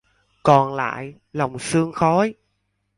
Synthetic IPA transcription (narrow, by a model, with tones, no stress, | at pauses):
kɔ˨˩nla̰ː˧˨j | la˨˩wŋ͡msɨ˧əŋxɔ˨˦j